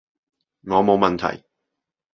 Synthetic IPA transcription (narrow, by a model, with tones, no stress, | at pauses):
ŋɔː˨˧mo˨˧wmɐ˨nt̪ʰɐ̰˨˩j